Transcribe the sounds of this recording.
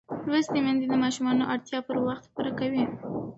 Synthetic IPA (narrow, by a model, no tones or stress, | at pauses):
lwəsd̪emand̪id̪əmɑʃumɑnoʔaɽt̪jɑpəɾwaxt̪xpuɾakawi